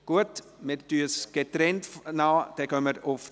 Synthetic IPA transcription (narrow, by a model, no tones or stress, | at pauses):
ɡ̥uət | meɾtyəsɡ̥etɾɛntnaːd̥ɛɡ̥œməɾʊf